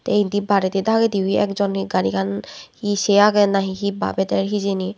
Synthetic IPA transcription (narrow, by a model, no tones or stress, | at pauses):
tejntibaɾɛt̪ɛd̪ʱaɡɛd̪iiɛ̰kzɔniɡaɾḭkʰanhisɛjaɡɛnaɦixiba̰bɛtɛɹɦizeni